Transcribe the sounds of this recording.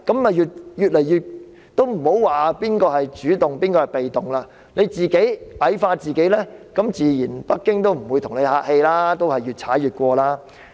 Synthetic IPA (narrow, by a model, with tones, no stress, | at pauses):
kɐ˨˥mːɐ˨jjyː˨˩t̚jyː˨t̚lɛ˨˩jjyː˨t̚ | t̪o˥wm̩˨˩ho˨˥wwaː˨˩piː˥nkɔː˧hɐ˨jt͡ʃyː˨˥t̪ʊ˨ŋpiː˥nkɔː˧hɐ˨˩jpe˨jt̪ʊ˨ŋlaː˧ | ne˨˧jt͡siː˨˩ke˨˥jʔɐ˨˥jfaː˧t͡siː˨ke˨˥jlɛː˥kɐ˨˥mt͡siː˨jiː˨˩npɐ˥k̚kːɪ˥ŋt̪o˥wm̩˨˩wuː˨˧jt̪ʰʊ˨˩ŋne˨˧jhaː˧k̚he˧jlaː˥t̪o˥whɐ˨jɥyː˨t̚t͡sʰaː˨˥jyː˨˩t̚kʷɔː˧laː˥